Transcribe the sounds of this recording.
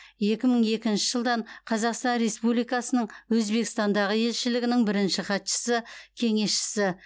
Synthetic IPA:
je̞kʲɪməɴe̞kʲɪnʃɪʒəlˠd̪ɑɴqʰɑzɑqst̪ɑnɾe̞spublijkɑsənəɴwɵzbe̞kʲɪst̪ɑnd̪ɑʁəje̞lʃɪlɪɡʲɪnɪŋbɪɾɪnʃɪχɑt̪ʃə̥səkʲʰe̞ŋe̞sʃɪ̥sɪ

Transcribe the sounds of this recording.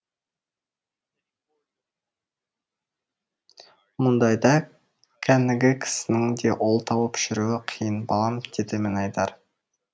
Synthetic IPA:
mʊnd̪ɑjd̪ɑ | kʲʰænɪɡʲɪkʲʰɪ̥sɪnɪŋd̪e̞ʔo̞lˠt̪ʰɑwəpʃɪɾuɪqʰijənbɑlˠɑmd̪̥ed̪ɪmɪnɑjt̪ɑɾ

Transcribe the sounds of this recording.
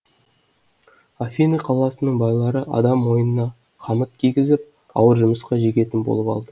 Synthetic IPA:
afʲiniqʰɑlˠɑsənəɴbɑjlˠɑɾəʔɑ̰d̪ɑmːo̞jənənɑ | qʰɑmət̪̚kʲʰijɡʲɪzɪp̚ | ɑ̰wəɾʒʊməsqɑʒe̞kʲe̞t̪ɪnbo̞̰lˠəpɑ̰lˠd̪ə

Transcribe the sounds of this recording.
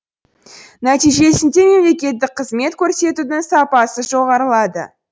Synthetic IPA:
næt̪ijʒe̞sɪnd̪e̞me̞mle̞kʲe̞t̪ːɪk̚qʰəzme̞t̪kʲʰɵɾse̞t̪ud̪ɪŋsɑpɑsəʒo̞ʁɑɾəlˠɑd̪ə̰

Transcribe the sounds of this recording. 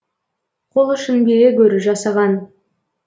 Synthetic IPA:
qʰolˠʏʃɪnbejʲekʲʰɵɾɪʒɑsɑʁɑn

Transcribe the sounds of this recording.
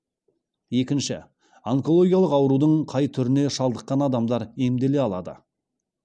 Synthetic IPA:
je̞kʲɪnʃɪ | aŋko̞lˠo̞ɡʲijɑlˠəqɑwɾud̪əɴqʰɑjt̪ʰʏɾɪne̞ʃɑlˠd̪əqːɑnɑd̪ɑmd̪ɑɾe̞md̪e̞le̞ɑlˠɑ̰d̪ə̰

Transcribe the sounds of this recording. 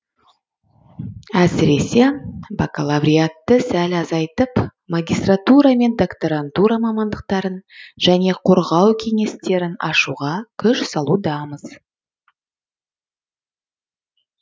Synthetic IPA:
æsɪɾe̞se̞bakalˠavɾʲijat̪ːəsælɑzɑjt̪əpmaɡʲijst̪rat̪uɾame̞nd̪o̞kt̪oɾant̪uɾamɑmɑnd̪əq̚t̪ɑɾənʒ̥æne̞qʰoɾʁɑwkʲʰe̞ŋe̞st̪e̞ɾɪnɑ̰ʃuʁɑkʲʰʏʃsɑlˠud̪ɑməz̥

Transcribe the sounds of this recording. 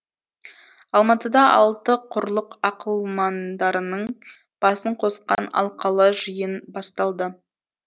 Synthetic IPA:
ɑlˠmɑt̪əd̪ɑʔɑlˠt̪əqʰʊɾlˠəqɑqəlˠmɑnd̪ɑɾənəɴ | b̥ɑsəɴqʰo̞sqɑ̰nɑ̰lˠqɑlˠəʒəjənbɑst̪ɑlˠd̪ə

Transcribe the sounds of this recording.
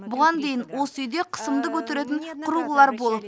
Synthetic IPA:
bʊʁɑnd̪e̞jɪnwo̞səʏjd̪e̞qʰə̥səmd̪əkʰɵt̪eɾe̞t̪̬ɪɴqʰʊɾuʁəlˠɑɾbo̞lˠəp

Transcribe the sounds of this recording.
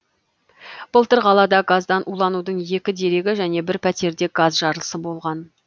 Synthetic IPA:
b̥əlˠt̪əɾʁɑlˠɑd̪ɑɡazd̪ɑnʔulˠɑnud̪əɴje̞kʲɪd̪e̞ɾe̞ɡʲɪʒæne̞bɪɾpʰæt̪e̞ɾd̪e̞ɡ̥azʒɑɾlˠəsəbo̞lˠʁɑn

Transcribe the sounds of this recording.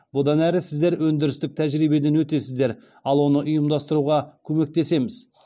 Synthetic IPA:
bʊd̪ɑnæɾɪsɪzd̪e̞ɾwɵnd̪ɪɾɪst̪ɪk̚t̪ʰæʒɾijbe̞d̪enwɵt̪e̞sɪzd̪e̞ɾ | ɑlˠwo̞nəʔʊjəmd̪ɑst̪əɾuʁɑkʲʰɵme̞k̚t̪e̞se̞mɪz

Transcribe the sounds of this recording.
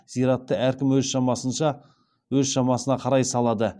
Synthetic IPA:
z̥ijɾɑt̪ːəæɾkʲɪmwɵzʃɑmɑsənʃɑ | wɵzʃɑmɑsənɑqʰɑɾɑjsɑlˠɑd̪ə

